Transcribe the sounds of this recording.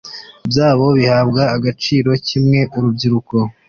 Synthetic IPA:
bjaːβo̞βihaːbɡaːɡat͡ʃiːɾo̞cimŋe̞ʔuɾubɟiɾuko̞

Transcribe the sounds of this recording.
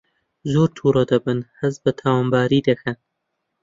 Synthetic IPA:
zoːɾt̪ʰuːɾɐd̪ɐbɨnhɨz̚bɐt̪ʰaːwaːmbaːɾiːd̪ɐkʰɐn

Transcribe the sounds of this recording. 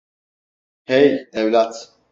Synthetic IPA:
hɛjɛwlat̪ʰ

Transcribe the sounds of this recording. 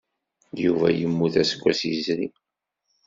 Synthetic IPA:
juvæ̰jəmːuθæsə̥kʷːæsizɾi

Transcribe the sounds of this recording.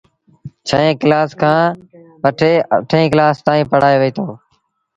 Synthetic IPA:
t͡ʃʰəẽːklaːskʰãː | ʋəʈʰeːəʈʰẽːklaːst̪aːĩːpəɽaːeːʋiːt̪ʰoː

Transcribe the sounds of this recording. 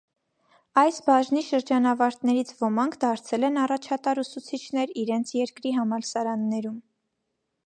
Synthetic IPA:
ɑjsbɑʒniʃəɾd͡ʒɑnɑvɑɾt̪nɛɾit͡sʰvɔmɑŋkʰd̪ɑɾt͡sʰɛlɛnɑrɑt͡ʃʰɑt̪ɑɾusut͡sʰit͡ʃʰnɛɾiɾɛnt͡sʰjɛɾkɾiɦɑmɑlsɑɾɑnːɛɾum

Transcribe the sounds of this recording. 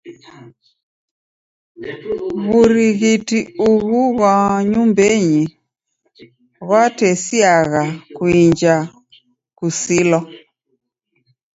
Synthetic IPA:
ɣuɾiɣitiuɣuɣwaɲumbɛɲi | ɣwatɛsiaɣakuiɲd͡ʒa | kusilɔ

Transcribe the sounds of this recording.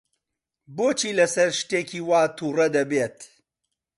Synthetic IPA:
boːt͡ʃʰiːlɐsɐɾʃt̪eːkʰiːwaːt̪ʰuːrɐd̪ɐbeːt̪

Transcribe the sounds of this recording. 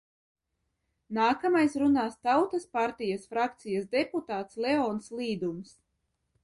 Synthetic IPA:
naːkamajsɾunaːst̪awt̪aspaɾt̪ijasfɾakt̪sijasd̪ɛput̪aːt̪slɛɔːnslˠiːd̪ums

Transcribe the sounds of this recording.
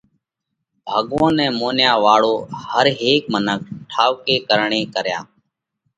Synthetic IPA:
bʱaːɠʋõːnɛ̃ːmoːnjaːʋaːɭoːhəɾɦeːk̚mənək̚ʰʈʰaːʋkeːkəɾɳeːkəɾja̰ː

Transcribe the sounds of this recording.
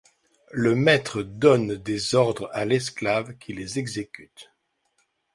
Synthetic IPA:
ləmɛt̪χəd̪ɔnd̪ezɔʁd̪ʁalɛsklavkʲʰilezɛɡzekʲyt̪

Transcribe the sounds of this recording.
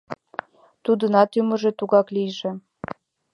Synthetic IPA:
t̪ud̪ə̆nɑt̪ymə̆ʒĕt̪uɣɑklijʒĕ

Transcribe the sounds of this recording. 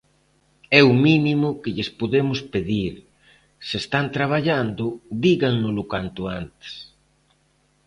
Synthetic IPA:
ɛuminimʊkɪʎɪspoðemʊspeðiɾ | sest̪ant̪ɾaβ̞aʎand̪ʊd̪iɣaŋnʊlʊkant̪ʊant̪e̥s

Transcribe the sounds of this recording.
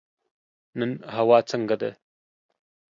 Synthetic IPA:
nɨnɦɐwaːt͡sʰɐŋɡɐd̪ə̰

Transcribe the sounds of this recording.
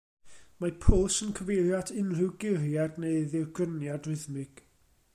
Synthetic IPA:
mapʰʊlˠsənkʰəvejljadʰɪnrɪwɡɪrjadneɨðɪɡ̥ənjadrɪðmɪɡ̥

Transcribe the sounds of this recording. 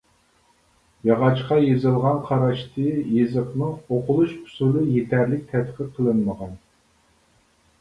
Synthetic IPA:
jɑʁɑt͡ʃqɑjezɨlˠʁɑnqʰɑɾɑʃt̪ʰɨjezɨχnɨŋoqʰʊlˠuʃpʰu̥sulɨjet̪ʰæɾlɪk̚ʲt̪ʰɛt̪qʰəqʰːəlˠɨnməʁɑn

